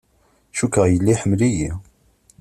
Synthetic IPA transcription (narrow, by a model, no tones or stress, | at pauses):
ʃukəʁjəlːiħəmliji